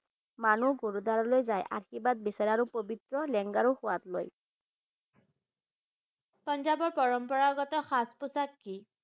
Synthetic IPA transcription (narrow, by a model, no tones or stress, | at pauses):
manuɡoɹudaɹɔlojzajʔa̰ɹxibat̚bisaɹaɹupobitɹɔlɛŋɡaɹuxʊwatlo̰j | pɔnzabɔɹpɔɹɔmpɔɹaɡɔtɔxaspʊsakːi